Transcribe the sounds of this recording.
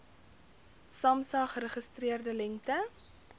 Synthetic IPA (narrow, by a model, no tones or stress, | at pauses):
sɐmsɑːχəɾəχəstriərdəlɛŋtə